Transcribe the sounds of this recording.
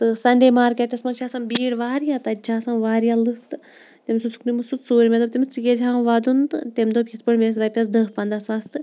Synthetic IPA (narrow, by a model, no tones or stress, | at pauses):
t̪ɨsɐɳɖeːmaːɾkeʈɐsmɐnt͡ʃʰaːsɐmbiːɽʋaːɾjat̪ɐt͡ʃʰaːsãnʋaːɾijaːlɨkʰt̪ɨ | t̪emsusu̥kʰnimɨsut̪soːɾimed̪ɐb̚t̪ʲemt͡sikʲed͡ʒʲaːmʋad̪unt̪ɨt̪emd̪opispɐɳmes̬ɾɐpʲɐs̬d̪ɐɦpɐnd̪aːsãːst̪ɨ